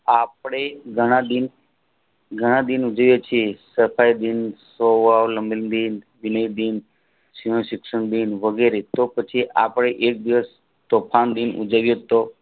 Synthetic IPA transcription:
apɽ̃eɡʱəɽ̃ãd̪in | ɡʱəɽ̃ãd̪inud͡ʒəʋjot͡ʃʰiesəfʰajd̪insoʋaʋləmbilnd̪inʋinəjd̪in | siɦõʃɪkʂəɳd̪inʋəɡeɾet̪opət͡ʃʰiʔapɽ̃eʔek̚d̪iʋəs | t̪opʰand̪inʔṵd͡ʒaʋjot̪o

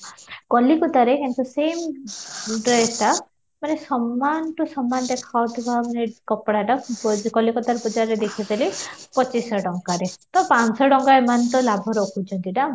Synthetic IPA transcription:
kɔlikut̪aɾekent̪usem | ɖɾesʈ̪a | manesɔmːanʈusɔmːand̪ekʰawt̪ʰibamanekɔpɽaʈakɔlikɔt̪aɾpud͡ʒaɾɾed̪ekʰit̪ilipɔt͡ʃisɔɖɔŋkaɾet̪ɔpansɔɖɔŋkaemant̪ɔlabʱɔɾɔkʰut͡ʃʰɔnt̪iʈa

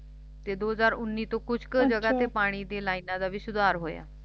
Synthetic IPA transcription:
t̪ed̪od͡zaɾunːiːt̪okut͡skəd͡ʑəɡat̪epaɽ̃iːd̪elainad̪aʋiɕud̪ʱaɾɦoja̰

